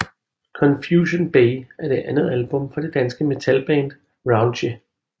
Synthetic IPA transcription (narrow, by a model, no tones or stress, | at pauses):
kʰɒ̽nfjuːɕonb̥eɪʔæɐd̥e̝ʔænð̞̩ˠælb̥ɔ̽mfɒ̽d̥e̝d̥ænsɡ̥əme̝t͡sʰælb̥ɛ̰ːnd̥ | ʁɑ̈ʊnɕe